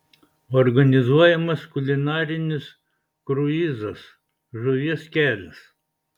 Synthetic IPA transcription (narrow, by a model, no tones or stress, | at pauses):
ɔɾɡɐnʲɪzuɔjɛmɐskʊlʲɪnɑːɾʲɪnʲɪs | kɾʊiːzɐs | ʒʊʋʲiɛskʲæːlʲɛs